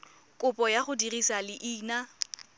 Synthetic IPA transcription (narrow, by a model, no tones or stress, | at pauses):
kʼʊpʼɔjaχʊdirisalɪʔiːna